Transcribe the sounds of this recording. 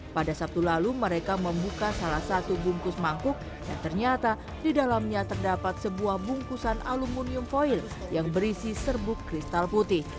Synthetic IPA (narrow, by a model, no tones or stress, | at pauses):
padasap̚t̪ulaluməɾekaməmbukasalahsat̪ubuŋkʊsmaŋkʊk̚ | da̰ŋt̪ərɲat̪a | didalamɲat̪ərdapat̪̚səbuahbuŋkusanalumuniʊmfoil | jaŋbəɾisisərbʊkːɾist̪alput̪ɪh